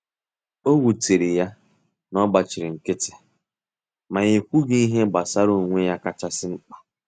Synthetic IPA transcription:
o˦ɡu˨ti˨ɾɪ˨ja˦ | nɔ˦ɡ͡ba˨t͡ʃɪ˨ɾɪ˨ŋ̩˨kɪ˦tɪ˨ | ma˨ɣe˨kʷu˦ɡi˦i˦ɦe˦ɡ͡ba˨sa˦ɾo˦˨ŋʷe˦ja˦ka˦t͡ʃa˦sɪ˦ŋ͡m̩˦k͡pḁ˨

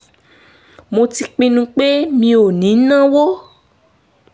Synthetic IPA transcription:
mõ˧ti˧k͡pĩ˧nũ˧k͡pe˦mĩ˧o˨nĩ˨˦nã˦wo˦

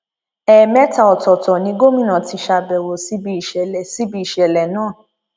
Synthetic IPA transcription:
ɛ˨mɛ˦ta˨ɔ˨tɔ˨tɔ˨nĩ˨˦ɡo˦mĩ˦˨nã˨ti˧˦ʃa˧bɛ˨wo˨si˨˦bi˧˦i˨ʃɛ˨lɛ˨si˨˦bi˦i˨ʃɛ˨lɛ˨nãː˦˨

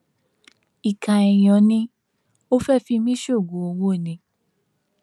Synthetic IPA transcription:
i˨kã˨ɛ˨j̃ɔ̃˨nĩ˦ | o˦fɛ˦fi˧mĩ˦ʃo˦˨ɡõ˨o˧wo˦e˦˨nĩ˧

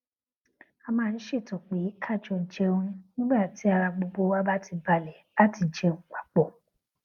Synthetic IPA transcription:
a˧mãː˦˧n̩˦ʃe˦˨tɔ˨k͡pe˨˦kʰa˦˨d͡ʒɔ˧n̩˨t͡ʃe˧o˧ɾ̃ĩ˧nĩ˦ɡ͡ba˦˨ti˨˦a˧ɾa˧ɡ͡bo˧ɡ͡bo˧wa˦ba˦tʰi˧ba˧lɛ˨˦a˦ti˨˧n̩˨t͡ʃe˧ũ˧˦kʷḁ˨k͡pɔ˦˨

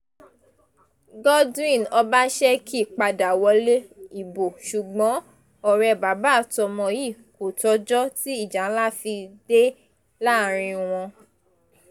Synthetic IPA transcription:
ɡɔ˦dĩ˦˨nɔ˧ba˦ʃɛ˦kʰi˦˨k͡pa˧da˨wɔ˧˦le˦i˦˨bo˨ʃu˨ɡ͡bɔ̃˨˦ | ɔ˨ɾɛ˧ba˨˦ba˦˨tɔ˧mɔ̃˧ji˦˨ko˨tɔ˧˦d͡ʒɔ˦ti˦i˦˨d͡ʒa˨˦la˦˨fi˧de˦ | la˦˨ɾ̃ĩ˧w̃ɔ̃˧

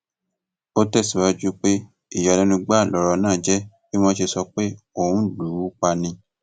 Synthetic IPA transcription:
o˦tɛ˦˨si˨wa˧d͡ʒu˦k͡pe˦ | i˦˨ja˨nɛ̃˧nũ˧ɡ͡ba˦˨lɔ˨ɾɔ˨˧nãː˦˨d͡ʒɛ˦ | ki˦mɔ̃˦ʃe˧sɔ˧k͡pe˦o˦˨wũ˨˦du˨˦k͡pa˧nĩ˧

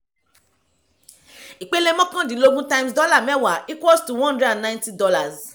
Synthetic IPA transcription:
i˨k͡pe˦le˦mɔ̃˦kã˦˨dĩ˨˦lo˧ɡũ˦tã˦j̃msdɔ˦la˦˨mɛ˦˨wa˨˦i˦kwɔ˦stu˨wɔ̃˦ɔ̃˦dɾɛ˦dã˨nnã˦j̃nti˦dɔ˧˦la˨z

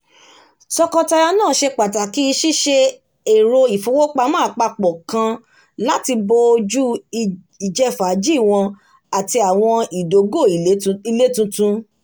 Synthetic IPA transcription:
sɔ˧kɔ˧ta˧ɾa˧nãː˦˨ʃe˧k͡pa˨ta˨ki˦i˧ʃi˦ʃe˧ | e˨ɾo˧i˨fo˨˦wo˦k͡pa˧mãː˦a˨k͡pa˧k͡pɔ˨kã˧ | la˦ti˧bo˧o˧d͡ʒu˦˧ | i˨d͡ʒɛ˧fa˨˦d͡ʒi˦˨w̃ɔ̃˧ | a˨ti˧a˨w̃ɔ̃˧i˨do˨˦ɡo˦˨i˨˦i˧le˦tũ˧tũ˧

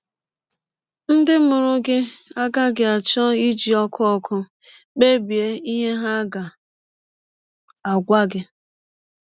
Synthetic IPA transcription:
n̩˦dɪ˦mʊ˨ɾʊ˦ɡɪ˦a˦ɡa˦ɡɪ˨a˨t͡ʃɔ˦i˦d͡ʒi˨ɔ˦kʰʊ˦ɔ˦kʰʊ˦ | k͡pe˦bi˨e˦i˦ɦe˦ɦa˦ɡa˨ | a˨ɡʷa˦ɡɪ˦

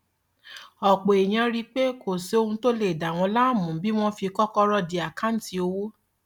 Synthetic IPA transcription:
ɔ˨k͡po˨e˨j̃ã˧ɾi˧k͡pe˦ko˨se˧o˧hũ˧to˦le˦˨da˨w̃ɔ̃˧la˦˨mũ˨˦bi˦w̃ɔ̃˦fi˧kɔ˦kɔ˦ɾɔ˦˨di˧˦a˨kã˦n̩˦ti˧o˧wo˦

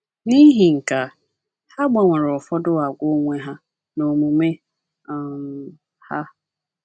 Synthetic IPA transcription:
ni˦ɦi˨ŋ̩˨ka˨ | ha˦ɡ͡ba˨ŋʷʊ˨ɾɔ˨fɔ˦dʊ˦a˨ɡʷo˦ŋʷe˦ɦa˦ | no˨mũ˨me˦˨ | m | ha˦

